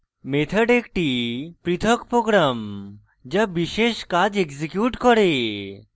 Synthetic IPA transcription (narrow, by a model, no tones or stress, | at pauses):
met̪ʰəɖekʈipɾit̪ʰɔkpɾoɡɾam | d͡ʒabiʃeʃkad͡ʒeksekjuʈkɔɾe